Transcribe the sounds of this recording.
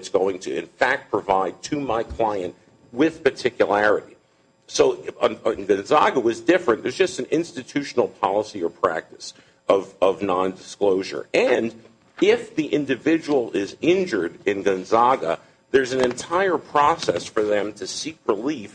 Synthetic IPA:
tsɡ̥oʊɪ̃ŋtʰɨɨ̰̃nfæk̚t̚pʰɹ̥ɨvaɪd̚tʰɨmaɪkʰl̥aɪɨ̃nʔ | wɪð̥pə˞tʰɪkjəlæɹɨɾi | soʊɪ̃nɡɨ̃nzɑɡəwʌzdɪfɹɨ̃nðə˞zd͡ʒʌstn̩ɪ̃nstɨtʰʉʃn̩l̩ˠpʰɑ̰lˠəsiə˞pʰɹ̥æ̰k̚tɨ̥s | ʌvʌvnɑ̃ndɨskloʊʒə̰˞ɨ̃n | ɪfðiʔɪ̃ndɨvɪd͡ʒəwl̩ˠɪzɪ̃nd͡ʒə˞ɾɪ̃nɡɨ̃nzɑɡə̰ | ðə˞zn̩ɨ̃ntʰaɪə˞pʰɹ̥ɔsɛsfə˞ðɨ̃mtʰɨsik̚ɹɪlif

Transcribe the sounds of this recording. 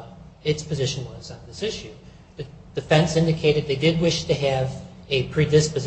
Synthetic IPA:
ɨtspʰɨzɪʃn̩wʌzn̩ðɪsɪʃʉ | ð̥ɨd̥ɨfɛ̃nsɪ̃ndɨkʰeɪɾɨd̪̚ðeɪdɪd̚wɪʃtʰɨɨvɨpʰɹ̥idɨspɨz

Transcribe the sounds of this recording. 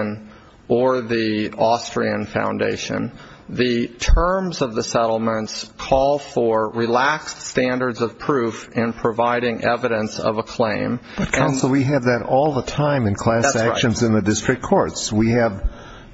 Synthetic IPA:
n | ʔə˞ðiɔstɹ̥iɨ̃nfã̰ʊ̃ndḛɪʃɨ̰̃n | ðɨtʰɜ̃˞mzʌvðɨsɛɾl̩ˠmə̃ntskʰɔlˠfə˞ɹilækststæ̃ndə˞dzʌv̥pʰɹ̥ʉfɪ̃npʰɹ̥ɨvaɪɾɪ̃ŋʔɛvɨɾɨ̃nsʌ̰vəkʰl̥ẽɪ̃m | b̥ʌt̚kʰãʊ̃nsl̩ˠwiɨvðɨɾɔlˠðətʰãɪ̃mɨ̃nkʰl̥æsæʃɨ̃nzɨ̃nðɨdɪstɹ̥ɨk̚kʰɔɹtswiɨv

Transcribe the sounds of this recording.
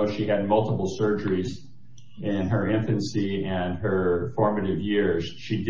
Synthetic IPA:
ʊʃiɨd̚mʌlˠtəpl̩ˠsɜ˞d͡ʒə˞iz | ɪ̃nə˞ɪ̃ɱfɨ̃nsiɨ̃nə˞fɔɹmɨɾɨvjɪɹz̥ʃid

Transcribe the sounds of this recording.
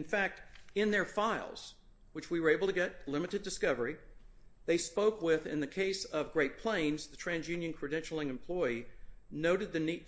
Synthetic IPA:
ɨ̃nfæk̚tɪ̃nðə˞faɪlˠz̥ | wɨt͡ʃwiwə˞eɪbl̩ˠtɨɡɛt̚lɪ̃mɨɾɨdɨskʌvə˞i | ðeɪspoʊkwɪðɪ̰̃nðɨkʰeɪsʌvɡɹeɪt̚pʰl̥ẽɪ̃nzðɨtʰɹ̥æ̃nzjʉ̃njɨ̃nkʰɹ̥ɨdɛ̃nʃl̩ˠɨ̃nɨ̃m̩pʰl̥ɔɪinoʊɾɨd̪̚ðɨnit̚

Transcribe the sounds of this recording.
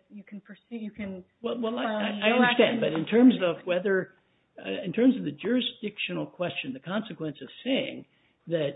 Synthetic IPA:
jɨkʰn̩pʰə˞sʉjɨkɨ̃n | wɛlˠwɛlˠaaɪaɪʌ̃nədstæ̃ndbʌɾɨ̃ntʰɜ̃˞mzʌvwɛðə˞ | ɨ̃ntʰɜ̃˞mzʌvðɨd͡ʒʊɹɨsd̥ɪkʃɨnl̩ˠkʰw̥ɛst͡ʃɨ̃nðɨkʰɑ̃nsɨkwɛ̃nsʌv̥seɪɪ̰̃ŋ | ðɨt̚

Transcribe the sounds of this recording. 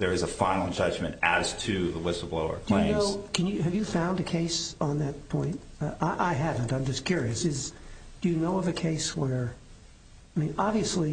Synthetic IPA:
ðə˞ɨzəfãɪ̃nl̩ˠd͡ʒʌd͡ʒmɨ̃ntædz̥tʰɨðəwɪsl̩ˠbloʊə̰˞pʰl̥eɨ̃noʊkʰɨ̃njɨɨvjɨfãʊ̃ndɨkʰeɪsn̩ðɨt̚pʰɔ̃ɪ̃ntʔaɪʔaɪɦævɨ̃ntãɪ̃md͡ʒʌskʰj̥ʊɹiɨsɪzd̥ɨjɨnoʊʌvɨkʰeɪswə˞ | aɪmĩnɑbviɨsli

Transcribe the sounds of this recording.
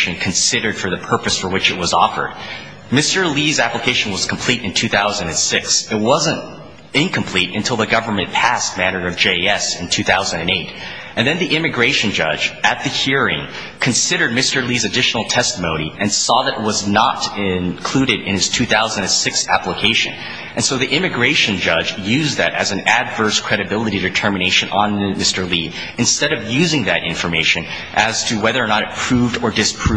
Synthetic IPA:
ʃɨ̃nkʰɨ̃nsɪɾə˞d̥fə˞ðɨpʰɜ˞pɨsfə˞wɨt͡ʃɨt̚wʌzɔfə̰˞d̚ | mɪstə˞lizæpləkʰeɪʃɨ̃n̩wʌz̥kʰm̩pʰl̥iɾɨ̃ntʰʉθaʊzɨ̃ndɨ̃nsɪksɨt̚wʌzɨ̃nt | ɪ̃nkʰɨ̃mpʰl̥iɾɨ̰̃ntʰɪlˠðɨɡʌvə˞mɨ̃npʰæs̚mæ̃ñə˞ʌvd͡ʒeɪɛsɨ̃n̩tʰʉθaʊzɨ̃ndɨ̃neɪɾ | ɨ̃nðɨ̃nðiʔɪ̃mɨɡɹeɪʃɨ̃n̩d͡ʒʌ̰d͡ʒɨt̪̚ðɨhiɹɪ̰̃ŋ | kʰɨ̃nsɪɾə˞d̚mɪstə˞lizɨdɪʃnl̩ˠtʰɛstəmõʊ̃ɾ̃iɨ̃nsɔðɨɾɨt̚wʌznəɾɪ̃nkʰl̥ʉɾɨɾɨ̰̃nɨz̥tʰʉθaʊzə̃n̩dɨ̃n̩sɪksæ̰pləkʰeɪʃɨ̰̃n | ʔɨ̃nsoʊðiʔɪ̃mɨɡɹeɪʃɨ̃nd͡ʒʌd͡ʒjʉzðɨɾɨ̰z̃n̩ɨdvɜ˞skʰɹ̥ɛɾɨbɪlˠəɾiɾɨtʰɜ˞mɨñeɪʃɨ̃nʔə̃nmɪstə˞li | ɨ̃nstɛɾʌvjʉzɪ̃ŋðɨɾʔɪ̰̃ɱfə˞meɪʃɨ̃n | ʔɨz̥tʰɨwɛðə˞ə˞nəɾɨt̚pʰɹ̥ʉvdə˞dɨspʰɹ̥

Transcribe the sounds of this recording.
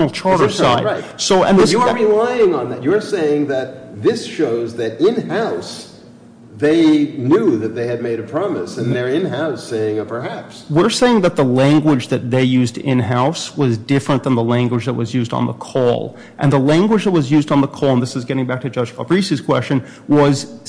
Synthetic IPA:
nl̩ˠt͡ʃʰɑɹɾə˞saɪaɪsoʊɨ̃nðɪsɨəɹɪlaɪɪ̃ŋə̃nðætjəə˞seɪɪ̃ŋðɨt̪̚ðɪsʃoʊzðɨɾɪ̃nhaʊs | ðeɪnjuðɨt̪̚ðeɪɨd̚meɪɾɨpʰɹ̥ɑmɨsɨ̃nðə˞ɪ̃nɦaʊseɪɪ̃ŋpʰə˞hæpswɪɹseɪɪ̃ŋðɨt̪̚ðəlæ̃ŋɡwəd͡ʒðɨt̪̚ðeɪjʉzdɪ̰̃nɦaʊswʌzdɪfɹɨ̃nðə̃nðəlæ̃ŋɡwɨd͡ʒðət̚wʌzjʉzdn̩ðə̰kʰɔ̰lˠ | ʔɨ̃nðəlæ̃ŋɡwəd͡ʒðət̚wʌzjʉzdn̩ðəkʰɔl̃ˠnðɪsɨzɡɛɾɪ̃ŋbæk̚tʰɨd͡ʒʌʒfə̰b̥ɹisiz̥kʰw̥ɛ̰st͡ʃɨ̃n | wʌz̥

